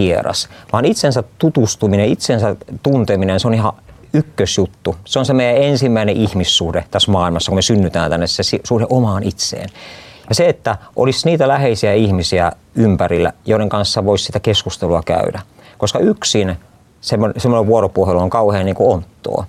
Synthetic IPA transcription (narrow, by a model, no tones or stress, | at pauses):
ierɑ̰sʋɑːnit̪sensæt̪t̪ut̪ust̪umineit̪sensæt̪unt̪eminenseonihɑ̰ | ykːøsjut̪ːuseonsemeijæensimːæineʔihmisːuhdet̪æsmɑːilmɑsːɑkumesynːyt̪æːnt̪ænːessesisuhdeʔomɑːnit̪sḛːnjɑseet̪ːæʔo̰lisniːt̪ælæheisiæihmisiæ | ympærilːæ̰joˑiɾeŋkɑnsːɑʋoissit̪ækeskust̪eluɑkæ̰ydæ | koskɑyksin | semːonsemːoneʋʋuoropuoheloŋkɑuheːnniːŋkuont̪ːo̰ː